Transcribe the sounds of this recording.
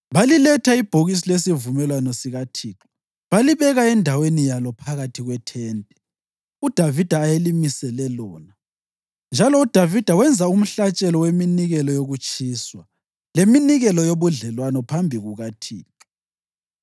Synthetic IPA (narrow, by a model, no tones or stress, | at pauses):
βalilɛtʰaib̥ʱoɣis̬ilesivumɛlwanɔsiɣatʰiːǁɔ̥ | βaliβɛɣaɛndʱawenijalɔpʰaɣatʰiɣwɛtʰɛːntʼɛ | ud̥ʱavid̥ʱaːjelimisɛlɛlɔːna | nd͡ʒʱalɔud̥ʱavid̥ʱawɛnd͡zʱaum̩ɬat͡ʃʼɛlɔweminiɣɛlɔjoɣut͡ʃʼiːswa | leminiɣɛlɔjoβuɮɛlwanɔpʰambʱiɣuɣatʰiːǁɔ̥